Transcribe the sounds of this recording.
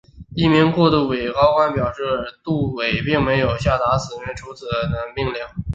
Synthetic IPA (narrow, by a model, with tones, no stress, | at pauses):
i˥˩mi˧˥nkwɔ˥˧t̪u˥˩we˨˩ɪkɑ˥ʊkwa˥npjɑ˨˩ʊʂɻ̩˥˩t̪u˥˩we˨˩ɪpi˥˩ŋme˧˥ɪjo˨˩ʊɕja˥˩t̪a˧˥sɹ̩˨˩mɛ˧˥nʈ͡ʂʰu˧˥t͡sʰɹ̩˨˩d̪ə˦na˧˥npi˥˧ŋljɑ˥˩ŋ